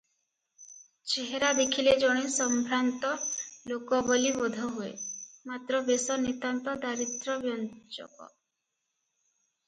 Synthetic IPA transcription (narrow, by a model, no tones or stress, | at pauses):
t͡ʃeɦeɾad̪ekʰiled͡ʒɔɽ̃isɔmbʱɾant̪ɔlokɔbɔlibɔd̪ʱɔɦuḛmat̪ɾɔbesɔnit̪ant̪ɔd̪aɾit̪ɾɔbjɔnt͡ʃɔ̰kɔ̰